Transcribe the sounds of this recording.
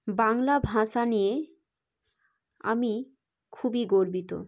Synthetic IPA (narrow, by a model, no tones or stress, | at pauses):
baŋlabʱãʃanije | a̰mi | kʰubiɡoɾbit̪o̰